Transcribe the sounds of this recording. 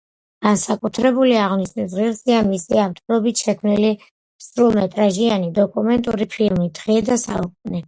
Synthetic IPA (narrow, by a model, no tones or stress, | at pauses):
ɡ̥ansakʼut̪ʰɾɛbuliaʁniʃnɛsʁiɾziamisiapt̪ʼvɾɔbit̪ʃɛkʰmnili | sɾulˠmɛt̪ʼɾaʒianid̪ɔkʼumɛnt̪ʼuɾipʰilˠmid̪ʁɛːd̪asa̰ukʼunɛ